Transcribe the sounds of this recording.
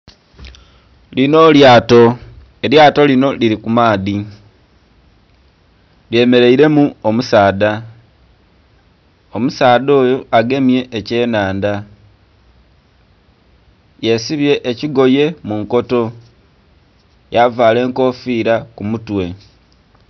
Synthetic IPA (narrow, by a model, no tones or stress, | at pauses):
lino̞ːljaːto̞ | eɾjaːto̞lino̞liɾikumaːði | lje̞ːme̞ɾe̞iɾe̞muomusaːða | omusaːðo̞ːjoaɡe̞mje̞ʔːce̞ːnaːnda | je̞siβje̞ʔːciɡo̞je̞muŋko̞to̞ | javaːle̞ːŋko̞fiːɾakumutwe̞